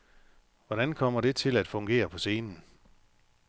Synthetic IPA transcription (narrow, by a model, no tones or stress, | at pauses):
ʋɒɾ̥ænkʰɒ̽m̰ɐɾ̥e̝t͡sʰe̝læd̥fɔ̽ŋɡ̥e̝̰ːɐpʰɒ̽se̝ːnn̩